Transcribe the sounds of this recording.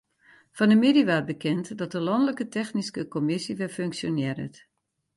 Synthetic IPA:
fɔnəmediʋaːt̚bəkɪntdɔt̚dəlɔndələkətʰɛxniskəkomɪsiʋɪføŋksjonjɛɾə̰t

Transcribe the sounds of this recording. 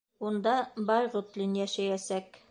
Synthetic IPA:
und̪ɑbɑjʁut̪lʲinjæʃæjæsæk

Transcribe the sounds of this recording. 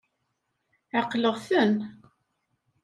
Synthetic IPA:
ʕaqːləʁθən

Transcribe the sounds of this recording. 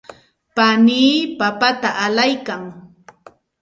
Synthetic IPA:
paniːpapat̪aʔalajkaŋ

